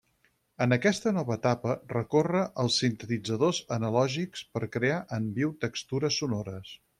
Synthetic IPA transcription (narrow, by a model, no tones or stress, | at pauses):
ənəkɛst̪ənɔβəːt̪apərəkorəʔəlˠsːint̪ət̪id͡zəðozənəlɔʒikspəɾkɾeaʔəmbiwt̪əkst̪uɾəsːunoɾəs